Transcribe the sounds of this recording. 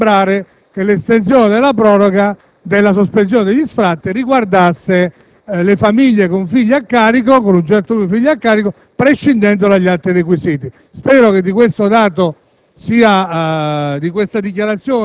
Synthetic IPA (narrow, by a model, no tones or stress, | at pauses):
bɾaːɾe | kelest̪ent̪sjɔːned̪elːapɾɔːɾɔɡa | d̪ɪlːas̬ospens̬joːned̪eʎːisfɾat̪ːiriɡward̪asːe | lefamiʎːekoɱfiʎːakːaːɾik̬okonunt͡ʃɛɾt̪olufiʎːakːaːɾiko | pɾeʃːind̪ɛnd̪olaʎːalt̪ɾirekwisiːt̪i | spɛːɾoked̪ːikwest̪od̪aːt̪o | siːa | d̪ikwest̪ad̪ikjaɾat̪sːjɔː